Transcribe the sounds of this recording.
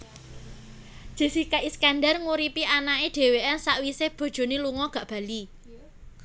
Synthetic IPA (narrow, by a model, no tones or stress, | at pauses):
d̥ʒ̥e̤sikaʔiskandarŋuɾipiʔanaeɖ̥e̤weʔɛnsaʔwiseb̥o̤d̥ʒ̥o̤neluŋɔɡ̥ä̤ʔb̥a̤li